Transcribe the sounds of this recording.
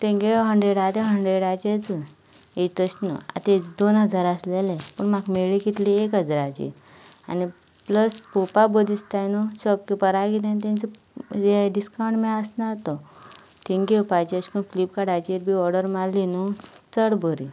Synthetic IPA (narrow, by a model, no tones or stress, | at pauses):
t̪ẽŋɡeɦəɳɖɾeɽat̪eɦəɳɖɾeɽat͡ɕet͡sɨ | et̪əɕnṵa̰t̪ed̪onɦəd͡zaɾəslelepəɳmakmeɭiɡit̪liekɦəd͡zɾat͡ɕḭ | a̰ni | pləspupabəd̪ist̪ajnuɕɔp̚kipəɾaɡit̪anit̪ẽnt͡sə | eɖiskawɳɖmeəsnat̪o | t̪ĩŋɡepajt͡ɕiəɕkunklip̚kaɽajt͡ɕeɾbʱiɔɾɖəɾmalinu | t͡səɽbʱəɾi